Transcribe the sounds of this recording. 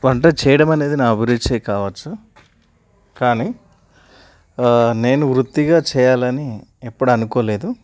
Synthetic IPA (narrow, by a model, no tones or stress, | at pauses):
ʋɐɳʈɐːt͡ʃɛːjɐɽɐmɐne̞ːd̪inaːɐbʱiɾit͡ʃeːjkaːʋɐt͡ʃːu | kaːniː | ne̞ːnuʋɾut̪ːiɡaːt͡ʃɛːjaːlɐniepːuɽɐnukoːle̞ːd̪u